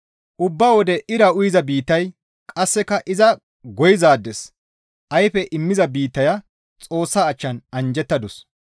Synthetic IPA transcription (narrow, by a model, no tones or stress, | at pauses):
ʔʊbːaːwɔd̪ɛʔɪɾɐʊjɪzɐbiːt̪ːɐj | kʼɐsːɛkɐʔɪzɐ | ɡɔjɪzaːd̪ːɛs | ʔɐjfɛʔɪmːɪzɐbiːt̪ːɐjɐ | t͡sʼo̞ːsːaːt͡ʃːɐnɐnd͡ʒɛt̪ːɐd̪ɔs